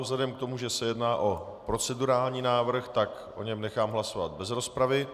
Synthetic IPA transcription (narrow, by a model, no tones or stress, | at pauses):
vzlɛdɛmkt̪o̞muʒɛsɛjɛdnaːʔo̞ | pɾo̞t͡sɛduɾaːlɲiːnaːvr̩xt̪ak | ʔo̞̰ɲɛmnɛxaːmɦlaso̞va̰t̪̚bɛzɾo̞spɾavɪ